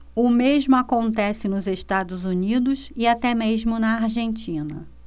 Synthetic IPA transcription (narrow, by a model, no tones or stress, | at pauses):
ʊmeʒmʊakõnt̪ɛsɪnʊzeʃt̪ad̪ʊzunid̪ʊsɪat̪ɛmeʒmʊnɐaɾʒẽnt͡ʃĩnɐ̰